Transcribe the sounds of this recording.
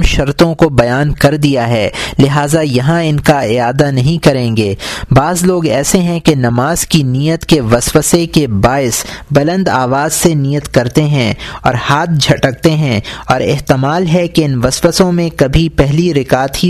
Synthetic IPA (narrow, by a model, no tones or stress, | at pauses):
mʃɐɾt̪õkobɐjaːnkɐɾd̪ijaɦɛːlɪɦaːzajɐɦãɪnkaɪaːd̪anɐɦĩkɐɾẽːŋɡeːbaːzloːɡɛːseɦɛ̃kenɐmaːz̥kiniːjət̪keʋɐsʋəsekebaːɪsbɐlə̃nd̪aːʋaːzseniːjət̪kɐɾt̪eɦɛ̃ɔ̰ːɾhaːt̪̚ʰd͡ʒʱɐʈək̚t̪eɦɛ̃ɔːɾɪɦt̪ɪmaːlɦɛkeɪnʋɐsʋəsõmẽkɐbʱipɛɦliɾɪkaːt̪ɦi